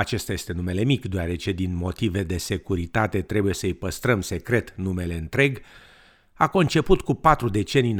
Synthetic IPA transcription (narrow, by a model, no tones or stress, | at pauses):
at͡ʃe̞st̪aje̞st̪e̞nume̞le̞mikd̪oaɾe̞t͡ʃe̞d̪inmo̞t̪ive̞d̪e̞se̞kuɾit̪at̪e̞t̪ɾe̞buje̞səɨjpəst̪ɾəmse̞kɾe̞t̪nume̞le̞ɨnt̪ɾe̞ɡ | ako̞nt͡ʃe̞put̪kupat̪ɾud̪e̞t͡ʃe̞nijn